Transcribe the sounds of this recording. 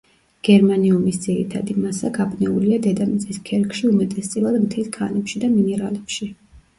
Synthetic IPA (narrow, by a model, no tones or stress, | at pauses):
ɡ̥ɛɾmaniumisd̪ziɾḭt̪ʰa̰d̪imasakʰabnɛuliad̪ɛd̪amit̪sʼiskʰɛɾkʰʼʃiumɛt̪ʼɛst̪sʼilˠad̪mt̪ʰɛlkʰanɛpʃid̪aminɛɾa̰lɛpʃi